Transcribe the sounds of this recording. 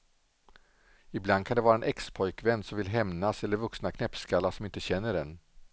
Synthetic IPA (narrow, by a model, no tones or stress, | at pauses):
ɪbland̪kʰand̪ɛvɑːɾaɛnʔɛkspʰɔjkvɛnd̪sɔmvɪlɦɛmnasɛlːəɾvɵksnakʰnɛpskalːasɔmɪnt̪əɕɛnːəɖɛn